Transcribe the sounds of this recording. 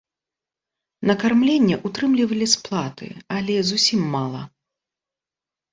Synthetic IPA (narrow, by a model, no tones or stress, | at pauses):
nɐkarmlʲenʲːɛʔut̪ɾɨmlʲivɐlʲisplˠat̪ɨ̰alʲɛzusʲimːalˠɐ̰